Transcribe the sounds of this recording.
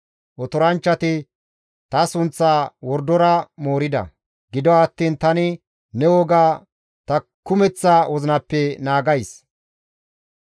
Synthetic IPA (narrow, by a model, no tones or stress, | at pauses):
ʔɔt̪ɔɾɐnt͡ʃːɐt̪ɪ | t̪ɐsʊnt͡sːaːwɔɾd̪ɔɾɐmo̞ːɾɪd̪ɐ̰ | ɡɪd̪ɔɐt̪ːiːnt̪ɐnɪ | nɛwɔɡaː | t̪ɐkʊmɛt͡sːaːwʔɔzɪnɐpːɛnaːɡɐjs